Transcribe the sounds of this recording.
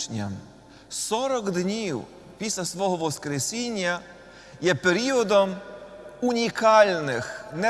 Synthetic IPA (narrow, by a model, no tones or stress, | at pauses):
nʲɐ̰m | sɔɾɔɡd̪nʲiw | pʲisʲlʲɐsʋɔɦɔʋɔskɾesʲinʲːɐ | jɛpeɾʲiɔd̪ɔm | unʲikɑlʲnɪxnɛ